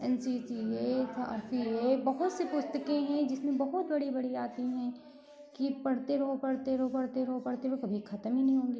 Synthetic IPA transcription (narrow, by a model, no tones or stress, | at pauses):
ɛnsisieɐ̰ɾsieːbɐɦʊt̪sepʊst̪əkẽɦɛ̃d͡ʒɪsmẽbɐɦʊt̪bɐɽibɐɽiaːt̪iɦɛ̃ | kipɐɽt̪eɾoːpɐɽt̪eɾoːpɐɽt̪eɾoːpɐɽt̪eokɐbʱixʰɐt̪əminɐɦĩɦõːŋɡiː